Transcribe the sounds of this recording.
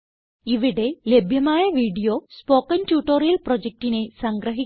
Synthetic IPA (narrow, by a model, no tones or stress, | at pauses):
iʋiɽe̞lebʱjɐmaːjɐʋiːɖijo̞ːspoːkːɐntjuːʈːoːɾijɐlprod͡ʑek̚ʈine̞sɐŋɡɾɐɦi